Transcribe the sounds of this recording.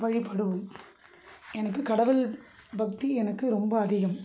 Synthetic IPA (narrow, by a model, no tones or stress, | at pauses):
ʋɐɻɪpːɐɽɯʋɯm | ɛnɐkːɯkɐɽɐʋɯlbɐk̚t̪iɛnɐkːɯɾɔmbɐːðɪɣɐm